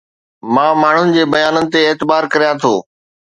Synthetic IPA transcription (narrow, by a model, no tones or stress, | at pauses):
mãːmaːɳ̤ʊnɪ̆d͡ʑeːbɐjaːnənɪ̆t̪eeːt̪ɪbaːɾkɐɾijãt̪ʰoː